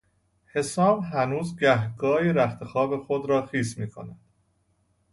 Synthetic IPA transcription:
he̞sɒːmɦænuːzɡæɦɡɒːjiɾæft̪ʰexɒːbe̞xod̪ɾɒːxiːsmiːkʰonæd̪̥

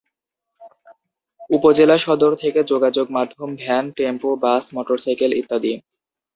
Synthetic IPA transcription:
upod͡ʑelaʃɔd̪oɾt̪ʰeked͡ʑoɡad͡ʑoɡmad̪ʱːombʱɛnʈempobasmɔʈoɾsajkelḭt̪ːad̪i

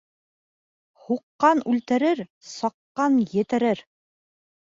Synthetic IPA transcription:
huqːɑnʉlt̪ɘ̆ɾɘɾsɑqːɑnjɘ̆t̪ɘ̆ɾɘɾ

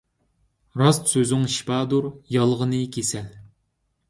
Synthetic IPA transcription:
ɾɑst̪søzʊŋʃi̥pʰɑːd̪uɾjɑlˠʁənɨkʲʰesɛl

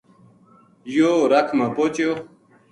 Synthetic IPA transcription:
joːɾɐkʰmapot͡ɕjo

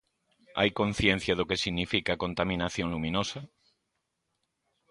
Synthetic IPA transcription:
a̰jkõn̟θjẽn̟θjaðokesiɣnifikakont̪amĩnaθjõnlumĩnosa

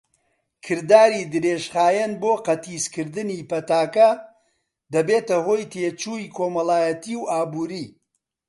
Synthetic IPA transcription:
kʰɨɾd̪aːɾid̪ɨɾeːʒχaːjɛnboːqɐt̪ʰiːskɨɾd̪ɨniːpɐt̪aːkɐ | d̪ɐbeːt̪ɐɦoːjt̪ʰeːt͡ʃuːikʰoːmɐlˠaːjɐt̪iːwʔaːbuːɾiː

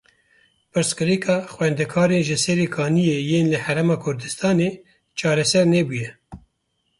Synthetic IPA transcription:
pɨɾskɨɾikʰɑːxwɛnd̪ɛkʰɑːɾeːnʒɪsɛɾekʰɑːnijejeːnlɨhæɾɛmɑːkʰʊɾd̪ɨst̪ʰɑːneː | t͡ʃʰɑːɾɛsɛɾneːbujɛ

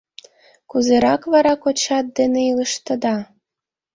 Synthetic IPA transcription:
kuzeɾɑkβɑɾɑkot͡ɕɑt̪̚d̪eneilə̆ʃt̪ɤ̆d̪ɑ

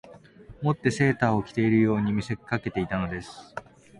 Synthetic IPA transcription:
mo̞t̪ːe̞se̞ːt̪aːo̞kʲi̥t̪e̞iɾɯ̟jo̞ːɲ̟imʲise̞kʲkake̞t̪e̞it̪ano̞d̪e̞sɨ̥

